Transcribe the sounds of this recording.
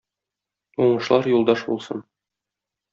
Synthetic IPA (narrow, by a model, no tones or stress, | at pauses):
uɴɤ̆ʃlˠɑɾjulˠd̪ɑʃbṵlˠsɤn